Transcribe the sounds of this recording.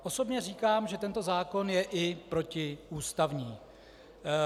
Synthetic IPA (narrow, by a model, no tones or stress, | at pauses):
ʔo̞so̞bɲɛriːkaːmʒɛt̪ɛnt̪ozaːko̞njɛʔɪpɾo̞cɪʔuːst̪avɲiː